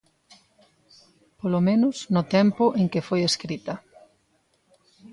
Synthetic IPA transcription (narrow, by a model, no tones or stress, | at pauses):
polomẽnʊsnʊt̪ɛmpʊʔeŋkɪfojeskɾit̪ɐ